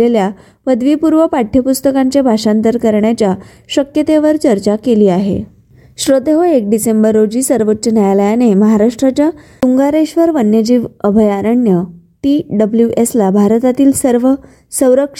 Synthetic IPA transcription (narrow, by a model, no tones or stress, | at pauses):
elja | pəd̪ʋipuɾʋəpaʈʰjəpust̪əkãɲt͡ɕebʱaɕant̪əɾkəɾɳjat͡ɕja | ɕəkjət̪eʋəɾt͡ɕəɾt͡ɕakeliːaɦḛ | ɕɾod̪eɦoek̚ɖisembəɾːod͡ʑiːsəɾʋotːɕənjajləjaneməɦaɾaʂʈɾat͡ɕja | uŋɡaɾeɕʋəɾʋənjəd͡ʑiːʋəbʱəjaɾəɳjəʈiɖəbljuʔeslabʱaɾt̪at̪iːlsəɾʋə | sə̃w̃ɾəkʂ